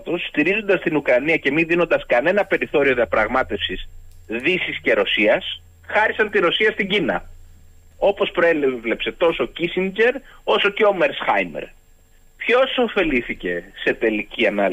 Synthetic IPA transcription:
t̪osːt̪iɾizo̞nd̪ɐst̪inukɾɐniɐce̞miðino̞nd̪ɐskɐne̞nɐpe̞ɾiθo̞ɾio̞ðiɐpɾɐɣmɐt̪e̞fsisðisisce̞ɾo̞siɐs | xɐɾisɐnt̪iɾo̞siɐst̪iɟinɐ̰ | o̞po̞spɾoele̞pse̞t̪o̞socisiɲd͡ʑe̞ɾo̞so̞ce̞omeɾsxɐjmḛɾ | pço̞so̞fe̞liθice̞se̞t̪e̞liciɐnɐl

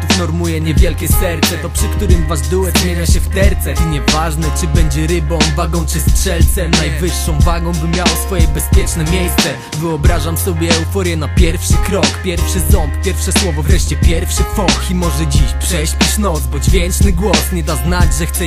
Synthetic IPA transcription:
t̪ufnɔɾmujɛɲɛvʲjɛlkʲɛsɛɾt̪sɛt̪ɔpʂɘkt̪uɾɘmvazd̪uwɛzmʲeɲaɕɛft̪ɛɾt̪sɛɲɛvaʐnɛt͡ʂɘbɛɲd͡ʑɛɾɘbɔ̃w̃vaɡɔ̃w̃t͡ʂɘstʂɛlt̪sɛmnajvɘʂːɔ̃w̃vaɡɔ̃w̃bɘmʲjawɔsfɔjɛbɛspʲjɛt͡ʂnɛmʲjejst̪sɛ | vɘɔbɾaʐamsɔbʲjɛːufɔɾjɛnapʲjɛɾfʂɘkɾɔkpʲjɛɾfʂɘzɔmppʲjɛɾfʂɛswɔvɔvɾɛʂt͡ɕɛpʲjɛɾfʂɘfɔximɔʐɛd͡ʑiɕpʂɛɕpʲiʂnɔd̪zbɔd͡ʑvʲjɛnt͡ʂnɘɡwɔsɲɛd̪aznad͡ʑʐɛxt̪sɛ

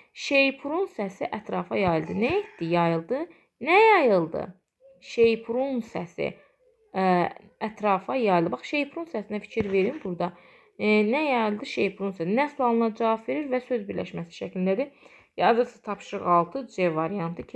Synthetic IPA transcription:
ʃejpʰuɾunsæsiʔæt̪ʰɾɑːfɑjɑjɯlˠd̪ɯnæjet̪d̪ijɑjɯlˠd̪ɯ | næjɑjɯlˠd̪ɯ̰ | ʃejpʰɾunsæsḭ | æt̪ʰɾɑːfɑjɑjlˠd̪ɯbɑχʃe̞jpʰɾunsæsinæfi̥cʰiɾve̞ɾinbuɾd̪ɑ | næjɑjɯlˠd̪ɯʃe̞jpʰuɾunsæsinæsulˠɑlˠɯnɑd͡ʒɑvɑbve̞ɾiɾvæsøzbiɾlæ̰ʃmæsi̥ʃæcʰlind̪æd̪i | jɑzɯst̪ʰɑpʰʃɯʁɑlˠt̪ʰɯd͡ʒevɑɾijɑnt̪ʰɯ

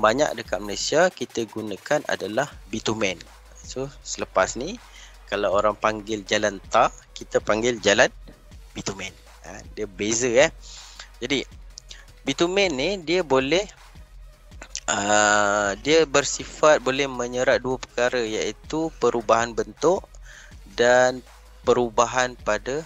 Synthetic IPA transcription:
baɲa̰k̚dəkat̪̚malasiakit̪əɡunakanʔa̰dalahbit̪umɛn | sosələpasni | kalawoɾaŋpaŋɡɪld͡ʒalant̪akit̪apaŋɡɪld͡ʒalan | bit̪umɛn | ə̰diəbezəɛhd͡ʒadi | bit̪umɛnːidiəbolɛh | ʔə | diəbərsifat̪̚bolɛhməɲəɾaʔ̚duəpə̥kaɾəjaʔit̪upəɾubaɦanbənt̪ʊʔ | dan | pəɾubaɦanpada

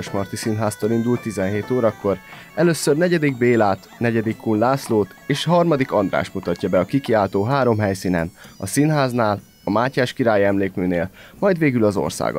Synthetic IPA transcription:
øʃmɒrt̪isinɦaːst̪oːlind̪ult̪ːizɛnɦeːt̪oːɾɒkːo̞r | ɛløːsːørnɛɟɛd̪iɡbeːlaːt̪nɛɟɛd̪ikːunlaːsloːt̪eːʃɦɒrmɒd̪ikɒnd̪ra̰ːʃmut̪ɒcːɒbɛɒkikiaːlt̪oːɦaːɾo̞mɦɛjsiːnɛ̰nɒsinɦaːznaːl | ɒmaːcaːʃkiɾaːjiɛmleːkmyːneːlmɒjd̪ʋeːɡylɒzo̞̰rsa̰ːɡɒ̰

